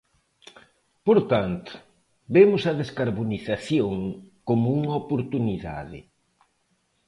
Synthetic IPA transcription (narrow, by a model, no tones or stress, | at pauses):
poɾt̪ant̪ʊ̥ | bemʊsɐðeskaɾβoniθaθjoŋkomʊuŋɐopoɾt̪uniða̰ðɪ̰